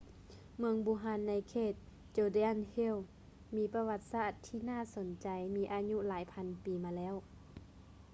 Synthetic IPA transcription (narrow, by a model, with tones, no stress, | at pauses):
mɯ˧əŋbuː˧˦ɦaː˧nːa˧˥jkʰeː˧˩t̪̚ | t͡ɕoː˧de˧a˧˨nhe˧˥˨w | miː˧˥pa˧wa˧t̪̚saː˧˩t̪ʰːiː˧˩˨naː˥˨so˨˦nt͡ɕa˨˧jmiː˧ʔaː˧ɲu˧˥laː˨˦jpʰa˧npiː˨˦maː˧lɛː˧˥˨w